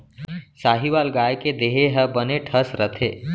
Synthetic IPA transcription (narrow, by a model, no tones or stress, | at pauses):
saːɦiʋaːlɡaːjked̪eɦeɦəbəneʈʰəsɾət̪ʰḛː